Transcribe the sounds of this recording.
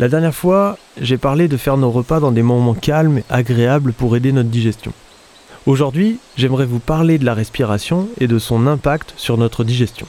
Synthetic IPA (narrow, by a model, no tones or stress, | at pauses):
lad̪ɛʁnjɛʁfwa | ʒepaʁled̪əfɛʁnoʁəpad̪ɑ̃d̪emɔmɑ̃kʲalma̰ɡʁeabləpuʁed̪enɔt̪χəd̪iʒɛst̪jɔ̰̃ | oʒuʁd̪ɥiʒɛmʁɛvupaʁled̪əlaʁɛspiʁasjɔ̃ed̪əsɔ̃nɛ̃pakt̪syʁnɔt̪χəd̪iʒɛst̪jɔ̰̃